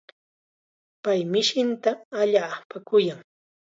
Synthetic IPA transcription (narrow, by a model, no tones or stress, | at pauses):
pajmɪʃɪnt̪aaʎaːpakʊjaŋ